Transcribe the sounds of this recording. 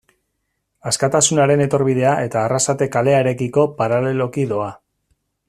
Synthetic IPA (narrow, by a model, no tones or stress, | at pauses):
askat̪asunaɾe̞ne̞t̪o̞ɾβið̞e̞aʔe̞t̪aːrasat̪e̞kale̞aeɾe̞kiko̞paɾale̞lo̞kiðo̞a